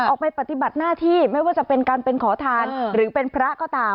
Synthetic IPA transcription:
ʔʔɔː˨˩k̚pa˧jpa˨˩t̪i˨˩ba˨˩t̪̚naː˥˩t̪ʰiː˥˩ma˥˩jwaː˥˩t͡ɕa˨˩pe˧nkaː˧npe˧nkʰɔː˩˦t̪ʰaː˧nɾɯː˩˦pe˧npʰɾa˦˥kɔː˥˩t̪aː˧

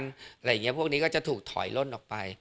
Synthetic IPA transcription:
na˨˩ɾjːŋi˦˥ɐ˦pʰu˥˩əniː˦˥kɔ˥˩t͡ɕa˨˩t̪ʰuː˨˩k̚t̪ʰɔ̰˩˦jlo˥˩nʔɔː˨˩k̚pa˧j

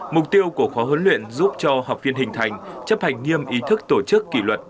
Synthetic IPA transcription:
mʊ˨˩k͡p̚t̪i˧əwku˧˩əxɔ˨˦ɦə˨˦nlwḭ˧˨ənzu˦˥p̚t͡ɕɔ˧ha˨˩wk͡p̚vi˧ənɦï˨˩ŋ̟t̪ʰa˨˩jŋ̟t͡ɕə˦˥p̚ha˨˩jŋ̟ŋi˧əmʔi˨˦t̪ʰɨ˦˥k̚t̪o˧˩t͡ɕɨ˦˥kːḭ˧˩lwə˨˩t̚

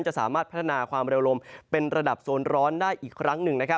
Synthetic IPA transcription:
nt͡ɕa˨˩ʔsaː˩˦maː˥˩t̪̚pʰa˦˥t̪ʰːa˧naː˧kʰwaː˧mɾe˧wɾo˧mpe˧nɾa˧da˨˩p̚soː˧nɾɔː˦˥ndaː˥˩jʔiː˨˩kʰːɾa˦˥ŋnɯ˨˩ŋna˦˥kʰa˦˥

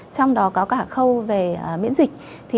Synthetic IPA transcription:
t͡ɕɔ˧wŋ͡mɗɔ˨˦kɔ˨˦kaː˧˩xə˧wve˨˩ə˨˩mḭ˧˥ənzï˨˩k̟̚ | t̪ʰi˨˩

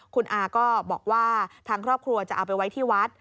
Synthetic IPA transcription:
kʰu˧nʔaː˧kɔː˥˩bɔ̰ː˨˩k̚waː˥˩t̪ʰaː˦˥ŋkʰɾɔː˥˩p̚kʰɾu˧ɐt͡ɕa˨˩ʔa̰˧˩wpa˧jwa˦˥jt̪ʰiː˥˩wa˦˥t̪̚

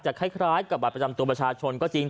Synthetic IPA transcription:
t͡ɕaː˨˩kʰa˥˩jkʰɾaː˦˥jka˨˩p̚ba˨˩pɾa˧t͡ɕa˧mt̪u˧pɾa˧t͡ɕʰaː˧t͡ɕʰo˧nkɔː˥˩t͡ɕi˧ŋ

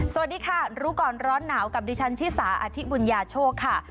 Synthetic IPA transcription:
sa˨a˨t̪̚diː˧kʰa˥˩ɾuː˦˥kɔː˨˩nɾɔː˦˥nːaː˩˦wka˨˩p̚diː˧˩t͡ɕʰa˦˥nt͡ɕʰiː˥˩saː˩˦ʔa˧t̪ʰi˦˥bu˧njaː˧t͡ɕʰoː˥˩kʰːa˥˩

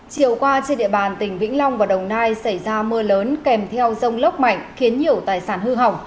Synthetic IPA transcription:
t͡ɕi˨˧˩əwkwaː˧t͡ɕe˧nɗḭ˧˨əɓaː˨˩nt̪ï˧˩ŋ̟vḭ˧˥ŋ̟la˧wŋ͡mvaː˨˩wɗə˨˩wŋ͡mnaː˧jsa˧˩jzaː˧mɨ˧ələː˨˦nkɛ˨˩mt̪ʰɛ˧wzə˧wŋ͡mlə˦˥k͡p̚ma̰˧˨jŋ̟xi˨˦ənɲi˨˩əwt̪aː˨˩jsaː˧˩nhɨ˧ɦa˨˩wŋ͡m

